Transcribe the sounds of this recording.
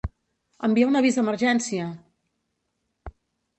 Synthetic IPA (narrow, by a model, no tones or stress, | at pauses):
əmbiɛwnəβizðəmərʒɛnsiə